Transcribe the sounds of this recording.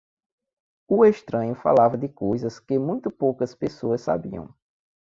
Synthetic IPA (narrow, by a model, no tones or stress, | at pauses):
ueʃt̪ɾɐ̃ɲʊfa̰lavɐd̪ɪkojzɐskɪmũj̃t̪ʊpowkɐspesoɐsːa̰biɐ̰̃w̃